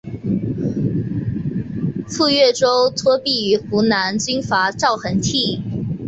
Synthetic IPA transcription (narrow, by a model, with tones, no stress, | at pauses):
fu˥˧ɥɛ˥˩ʈ͡ʂo˥ʊt̪ʰwɔ˥pi˥˩y˧˥xu˧˥na˧˥nt͡ɕy˥nfa˧˥ʈ͡ʂɑ˥˩ʊxə˧˥nt̪ʰi˥˩